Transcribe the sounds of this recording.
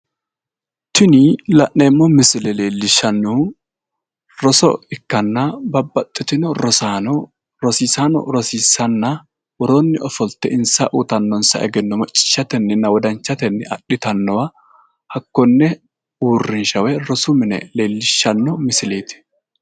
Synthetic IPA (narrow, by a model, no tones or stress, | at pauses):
t̪ɪnilɐʔːeːmːɔmɪsɪlɛle̞ːlːɪʃːɐnːu | ɾɔsɔ̰ɪkːɐnːɐbɐbːɐt̪ʼːɪt̪ɪnɔɾɔsanɔ | ɾɔsiːsaːnɔ̰ɾɔsiːsɐnːɐ | wɔɾonːɪɔfɔlt̪ːɛɪnsɐʔut̪ɐnːɔnsɐ̰ʔɛɡɛnːɔmɐt͡ʃʼːɪ̥ʃːɐt̪ɛnːɪnːɐwɔd̪ɐnt͡ʃːɐt̪ɛnːɪɐ̰ɗɪt̪ɐnːɔwɐ | hɐkːɔnːɛ | uːrːɪnʃɐwɛɾɔsʊmɪnɛ̰leːlːɪʃːɐnːɔmɪsɪleːt̪ɪ̥